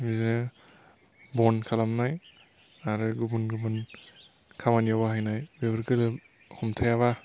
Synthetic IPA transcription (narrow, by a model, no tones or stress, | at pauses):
miznɯ | bɔnkʰalamnaj | aɾɯɡubunɡubun | kʰamanijabaɦajnajbebɾkɯlɯ | hɔmtʰajaβa